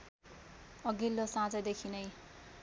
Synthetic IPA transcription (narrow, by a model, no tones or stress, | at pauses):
ʌɡilːosãd͡zʌd̪ekʰinʌj